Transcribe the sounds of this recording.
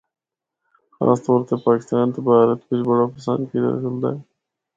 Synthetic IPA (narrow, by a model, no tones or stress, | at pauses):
xa̰ːst̪ɔːɾt̪epaːkɪst̪aːnt̪obaːɾət̪kʊt͡ʃʰbəɽapəsə̰nd̪kid̪a̰kəld̪a̰ːɛ